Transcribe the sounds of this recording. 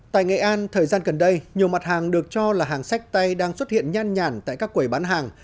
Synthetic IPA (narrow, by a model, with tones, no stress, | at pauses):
t̪a̰ː˧˨jŋa̰˧˨˩ʔaː˧nt̪ʰəː˨˩jzaː˧nɣə˨˩nɗə˧jɲi˨˩əwma˨˩t̚haː˨˩ŋɗɨ˨˩ək̚t͡ɕɔ˧laː˨˩ɦaː˨˩ŋsa˦˥k̟̚t̪a˧jɗaː˧ŋswt̚hḭ˧˨ənɲaː˧nɲaː˨˩nt̪a̰ː˧˨jkaː˦˥kːwu˨˩jɓaː˨˦nɦaː˨˩ŋ